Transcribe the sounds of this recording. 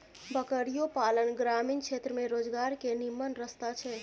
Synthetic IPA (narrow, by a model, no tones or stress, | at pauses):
bəkəɾijopalənɡɾaminkʃʰet̪ɾəmẽɾod͡ʒɡaɾkenimːənɾəst̪at͡ʃʰɛ